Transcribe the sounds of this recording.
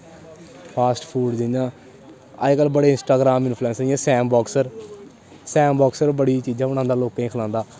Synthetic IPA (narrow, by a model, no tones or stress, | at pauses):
pʰaːsʈpʰuːɖd̪ɪnãː | a̰ːkəlbəɽeːɪnsʈaːɡɾaːmɪnpʰluɛ̃ːnsəɾɪãːsɛːmbɔːksəɾ | sɛːmbɔːksəɾbəɽiːt͡ʃiːd͡ʒãːʊñãːnd̪aːloːkãĩːkʰlãːnd̪aː